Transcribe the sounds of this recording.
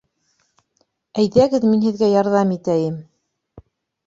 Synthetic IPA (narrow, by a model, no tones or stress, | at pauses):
æjðæɡɘðminhɘ̆ðɡæjɑɾðɑmit̪æjɘm